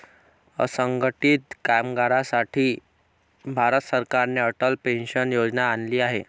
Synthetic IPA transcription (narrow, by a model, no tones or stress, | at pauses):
sə̃ŋɡəʈit̪kajmɡaɾasaʈʰi | bʱaɾət̪səɾkaɾneəʈəlpẽnʃənjod͡ʑnaːnliaɦe